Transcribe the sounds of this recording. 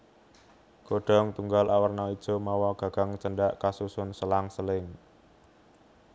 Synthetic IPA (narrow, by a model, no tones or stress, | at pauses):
ɡ̥oɖ̥ɔ̤ŋt̪uŋɡalʔawərnɔid̥ʒ̥ɔ̤mɔwɔɡ̥a̤ɡ̥a̤ŋt͡ʃənɖaʔkasusʊnsəlaŋsəlɪŋ